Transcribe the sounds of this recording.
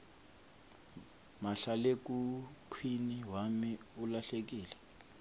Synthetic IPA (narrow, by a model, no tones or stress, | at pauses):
maɬalek̬ʼupʰwiniɦwamiulaɬek̬iːlɛ